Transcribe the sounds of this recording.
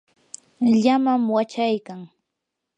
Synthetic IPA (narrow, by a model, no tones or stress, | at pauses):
ʎamamwat͡ʃajkaŋ